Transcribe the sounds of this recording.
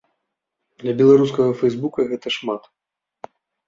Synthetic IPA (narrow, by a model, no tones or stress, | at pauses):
d̪lʲɐbʲɛlˠaɾus̬kɐɣɐfɛjzbukɐɣɛt̪ɐʂmat̪